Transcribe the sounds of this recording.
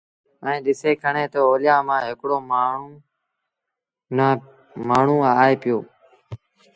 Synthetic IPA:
ɛ̃ːɗɪseːkʰəɳeːt̪oːoːlɪjaːmãːɦɪkɽoːmː | na | maːɳ̤ũːaːeːpɪjoː

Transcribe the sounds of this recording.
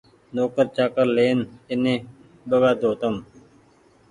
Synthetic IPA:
noːkəɾt͡ʃaːkəɾleːnɪnẽː | ɓəɡaːd̪oːt̪əm

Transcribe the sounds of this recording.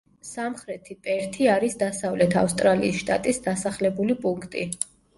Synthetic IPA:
samχɾɛt̪ʰipʼɛɾt̪ʰiaɾisd̪asavlɛt̪ʰa̰fst̪ʼɾalḭːsʃt̪ʼa̰t̪ʼisd̪asaχlɛbulipʼuŋkʰt̪ʼi

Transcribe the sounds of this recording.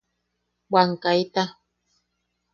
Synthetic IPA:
waŋkajt̪a

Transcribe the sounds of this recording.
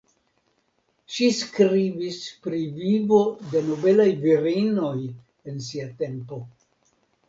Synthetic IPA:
ʃiskɾivispɾivivo̞de̞no̞be̞lajviɾino̞j | e̞ns̬iate̞mpo̞

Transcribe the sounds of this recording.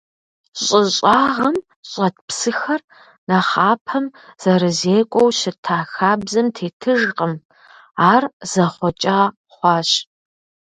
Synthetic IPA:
ɕʼɪɕʼɑːʁɐm | ɕʼɐt̚psɨxɐr | nɐχɑːpʰɐmz̥ɐɾɨzeːkʷʼɔwɕɪtʰaːxaːbzɐmtʰeːtʰɨʒqʼəm | aːrz̥ɐχʷɔt͡ʃʼaː | χʷɑːɕ

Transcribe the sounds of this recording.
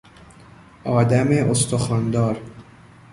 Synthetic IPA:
ʔɒːd̪æmeʔost̪ʰoxɒːnd̪ɒːɾ

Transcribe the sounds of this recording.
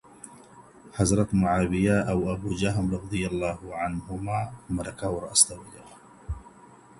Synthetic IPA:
ħɑzɾˤɑt̪mʊʕaːbɪjaːʔawʔabuːd͡ʒaɦamɾˤɑˤɑd̪ˤɨjalˤːɑːhʕanhʊmaːmɑɾˤɑkaːwɾˤɑʔst̪awajaɣ

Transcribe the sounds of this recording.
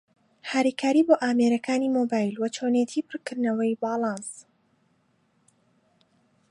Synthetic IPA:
haɾiːkʰaːɾiːboːʔaːmeɾɐkʰaːniːmoːbaːjlwɐt͡ʃʰoːnet̪ʰiːpʰɨɾkɨɾnɐwɐjbɑːlˠɑːns

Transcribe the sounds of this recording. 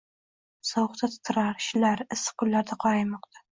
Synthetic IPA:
sɑwχt̪ʰat̪ʰɪ̥t̪ʰɪɾaɾʃlaɾɪsːɨ̥qʰʊlːaɾd̪aqʰɒɾajmɒq̚t̪ʰḁ

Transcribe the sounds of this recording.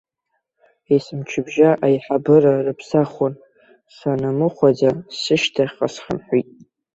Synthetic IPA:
esɨmt͡ʃʰɪbʒaʔajħabɨrarɨpʰsaχʷon | sanamɨχʷad͡zasɨʃtʰaqʼasχa̰mħʷitʼ

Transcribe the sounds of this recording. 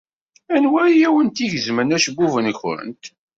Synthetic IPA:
ænwæɾijæwənt̪iʝəzmənæʃəbːuvənəçɾə̰nt̪

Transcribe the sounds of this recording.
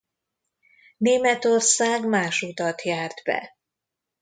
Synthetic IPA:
neːmɛt̪o̞rsaːɡmaːʃut̪ɒt̪jaːrd̪bɛ̰

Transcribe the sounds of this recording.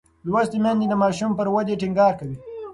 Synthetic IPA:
lwast̪emand̪id̪əmɑʃumpəɾwad͡ʒeʈɪŋɡɑːɾkawi

